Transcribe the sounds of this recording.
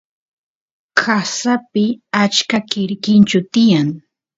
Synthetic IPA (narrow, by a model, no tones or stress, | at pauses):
kʰasapɪat͡ʃkakɪɾkɪnt͡ʃʊt̪ɪjaŋ